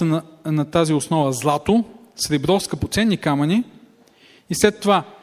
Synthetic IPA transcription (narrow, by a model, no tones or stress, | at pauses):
ənnɐt̪aziosnɔvəzlˠat̪osɾɛbɾɔfskəpot̪sɛnːikamɐni | islɛt̪ːova